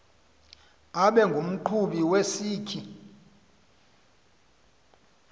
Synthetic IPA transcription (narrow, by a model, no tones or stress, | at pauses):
aɓɛŋɡʱum̩ǃʰuɓiwesiːkʰi